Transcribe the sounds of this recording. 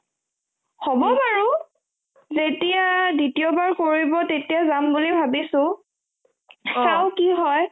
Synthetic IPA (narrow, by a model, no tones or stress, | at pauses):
hɔbɔbaɹu | zetijaditiɔbaɹkoɹibɔtetijazambulibʱabisʊ̃ | aʊkiɦɔj